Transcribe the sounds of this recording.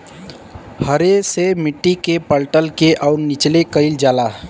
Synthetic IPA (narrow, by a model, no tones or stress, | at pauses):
həɾesemɪʈːikepəlʈəlkeʔaʊɾnit͡ʃlekəɪld͡ʒaːla